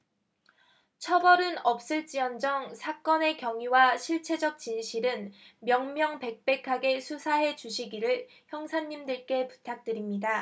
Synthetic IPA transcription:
t͡ɕʰʌbʌɾɯnʌp̚s͈ɯɭt͡ɕ͈iʌnd͡ʑʌŋsʰak͈ʌne̞kjʌŋiwaɕʰiɭt͡ɕʰe̞d͡ʑʌk̚t͡ɕinɕʰiɾɯnmjʌŋmjʌŋpe̞k̚p͈e̞kʰaɡe̞sʰusʰaɦe̞t͡ɕuɕʰiɡiɾɯɭ | çjʌŋsʰaɲːimdɯɭk͈e̞pu̥tʰak̚t͈ɯɾimɲida

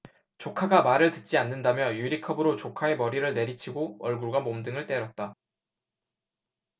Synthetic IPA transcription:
t͡ɕokʰaɡamaɾɯɭtɯt̚t͡ɕ͈ianːɯndamjʌjuɾikʰʌbɯɾot͡ɕokʰae̞mʌɾiɾɯɭne̞ɾit͡ɕʰiɡoʌɭɡuɭɡamomdɯŋɯɭt͈e̞ɾʌt̚t͈a

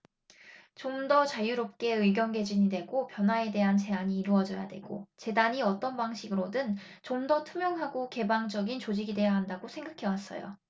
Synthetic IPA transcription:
t͡ɕomdʌt͡ɕajuɾop̚k͈e̞ɯɭɡjʌnɡe̞d͡ʑiɲidwe̞ɡopjʌnɦwae̞de̞ɦant͡ɕe̞aɲiːɾuʌd͡ʑʌja̰dwe̞̰ɡ̥ot͡ɕe̞daɲiʌt͈ʌnbaŋɕʰiɡɯɾodɯnt͡ɕomdʌtʰumjʌŋɦaɡoke̞baŋd͡ʑʌɡint͡ɕod͡ʑiɡide̞jaɦandaɡosʰe̞ŋɡakʰe̞was͈ʌ̰jo̰

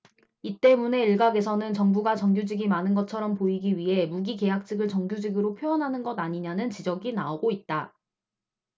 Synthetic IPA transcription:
it͈e̞mune̞iɭɡaɡe̞sʰʌnɯnt͡ɕʌŋbuɡat͡ɕʌŋɡjud͡ʑiɡimanɯnɡʌt͡ɕʰʌɾʌmpoiɡiɥiɦe̞muɡike̞jak̚t͡ɕ͈ʰɯɡɯɭt͡ɕʌŋɡjud͡ʑiɡɯɾopʰjoʌnɦanɯnɡʌdaɲiɲanɯnt͡ɕid͡ʑʌɡinaoɡoit̚t͈a

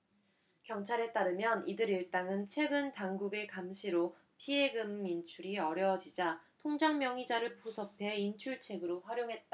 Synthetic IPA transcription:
kjʌŋt͡ɕʰaɾe̞t͈aɾɯmjʌnidɯɾiɭt͈aŋɯnt͡ɕʰwe̞ɡɯntaŋɡuɡe̞kamɕʰiɾo | pʰie̞ɡɯmːint͡ɕʰuɾiʌɾjʌd͡ʑid͡ʑatʰoŋd͡ʑaŋmjʌŋid͡ʑaɾɯɭpusʰʌpʰe̞int͡ɕʰuɭt͡ɕʰe̞ɡɯɾoɸwaɾjoŋɦe̞t̚t͈a

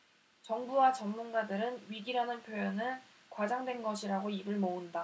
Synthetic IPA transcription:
t͡ɕʌŋbuwat͡ɕʌmːunɡadɯɾɯnɥiɡiɾanɯnpʰjoʌnɯn | kwad͡ʑaŋdwe̞nɡʌɕʰiɾaɡoibɯɭmounda

